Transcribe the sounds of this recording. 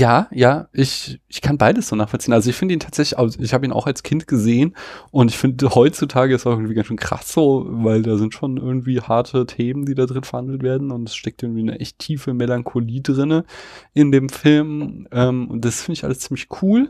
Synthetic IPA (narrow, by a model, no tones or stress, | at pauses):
jaːjaːʔɪçʔɪçkʰanbaɪdəsz̥oːnaːχfɔlt͡siːənʔalzoɪçfɪndəiːntʰaːtz̥ɛçlɪçʔa̰ʊsɪçhaːbəiːna̰xalskʰɪntɡ̥əzeːənʔʊntɪçfɪndəhɔʏt͡sutʰaːɡəɪstaʊɪɡŋ̩tv̥iːɡanʃøːnkʁ̥a̰sz̥oːvaɪldaːzɪntʃoːnʔɪɐɡŋ̩tv̥iːhaɐtʰətʰeːməndiːdaːdʁɪnfɛɐhandl̩tv̥eːɐdn̩ʊntɛsʃtɛk̚tʔɪɡŋ̩tv̥iːnəʔɛ̰çtʰːiːfəmelaŋkʰoliːdʁɪnəʔɪndeːmfɪlmʔɛːmʊ̰nd̥asfɪndəɪçʔa̰ləst͡siːmlɪçkʰuːl